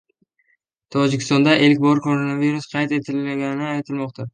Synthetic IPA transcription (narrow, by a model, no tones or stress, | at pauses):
t̪ʰɒd͡ʒɪkʲʰɪst̪ɒnd̪aʔelkʲbɒɾkʰo̞ɾonaviɾusqʰɑjt̪e̞t̪ʰɪlɪmaɡʲanɪnɪajt̪ʰɪlmɒqt̪ʰa